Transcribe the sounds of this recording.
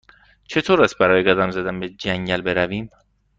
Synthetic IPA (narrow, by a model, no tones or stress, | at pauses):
t͡ʃʰe̞t̪ʰoːɾæs̚bæɾɒːjeɡɒd̪æmzæd̪æmbed͡ʒæŋɟælbe̞ɾæviːm